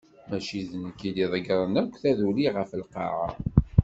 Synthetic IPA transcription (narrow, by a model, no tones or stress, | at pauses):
mæʃiðənəkːid̪iðˤəɡɾˤənækʷːθæðuliʁəfəlqɑ̰ɾɑ̰